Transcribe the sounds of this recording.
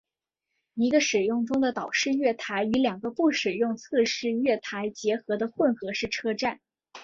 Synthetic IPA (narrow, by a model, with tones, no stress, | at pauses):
i˧˥ɡə˧ʂɻ̩˨˩jʊ˥˩ŋʈ͡ʂʊ˥ŋd̪ə˨t̪ɑ˨˩ʊʂɻ̩˥˧ɥɛ˥˩t̪ʰa˧˥ɪy˧˥ljɑ˨˩ŋɡə˦pu˥˩ʂɻ̩˨˩jʊ˥˧ŋt͡sʰɤ˥˧ʂɻ̩˥˧ɥɛ˥˩t̪ʰa˧˥ɪt͡ɕjɛ˧˥xɤ˧˥d̪ə˧xwə˥˩nxɤ˧˥ʂɻ̩˥˩ʈ͡ʂʰɤ˥ʈ͡ʂa˥˩n